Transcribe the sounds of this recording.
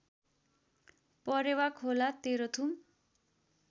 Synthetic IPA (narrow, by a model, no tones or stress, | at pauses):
pʌɾewakʰolat̪eɾot̪ʰum